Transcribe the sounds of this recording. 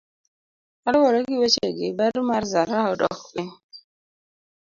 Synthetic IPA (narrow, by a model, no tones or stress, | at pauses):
alwɔɾɔɡɪwet͡ʃeɡɪbaɾmaɾzaɾaɔdɔ̰kwɪ